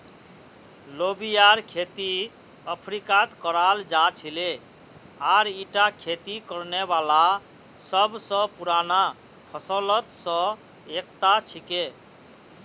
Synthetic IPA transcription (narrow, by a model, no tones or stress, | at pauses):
lobijaɾkʰet̪i | əpʰɾikat̪kəɾald͡ʒat͡ʃʰile | aɾiʈakʰet̪ikəɾnebala | səbsə̃puɾana | pʰəsələt̪sə̃ | ek̚t̪at͡ʃʰike